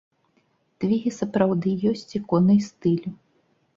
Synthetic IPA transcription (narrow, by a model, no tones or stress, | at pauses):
t̪vʲiɣʲisɐpɾawd̪ɨjɔsʲt͡sʲikɔnɨjst̪ɨlʲ